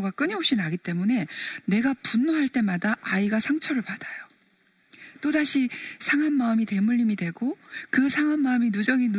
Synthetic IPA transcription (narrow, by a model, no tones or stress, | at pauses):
ɡak͈ɯɲiɦop̚ɕ͈inaɡit͈e̞mune̞ne̞ɡapunːoɦaɭt͈e̞madaʔaiɡasʰaŋt͡ɕʰʌɾɯɭpad̥ajo | t͈odaɕʰisʰaŋɦanːaɯmite̞muʎːimidwe̞ɡokɯsʰaŋɦanmaɯminud͡ʑʌŋin